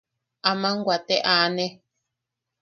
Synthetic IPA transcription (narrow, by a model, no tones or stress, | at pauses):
amãŋɡʷat̪eʔanẽ